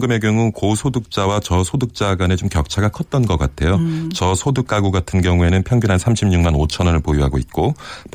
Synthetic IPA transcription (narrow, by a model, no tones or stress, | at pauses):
ɡɯme̞ɡjʌŋukosʰodɯk̚t͡ɕ͈awat͡ɕʌsʰodɯk̚t͡ɕ͈aɡwane̞t͡ɕomkjʌk̚t͡ɕʰaɡakʰʌt̚t͈ʌnɡʌk͈atʰe̞jot͡ɕʌsʰodɯk͈aɡuɡatʰɯnɡjʌŋue̞nɯnpʰjʌŋɡjinɦansʰamɕʰimɲuŋmanot͡ɕʰʌnʌnɯɭpojuɦaɡoit̚k͈op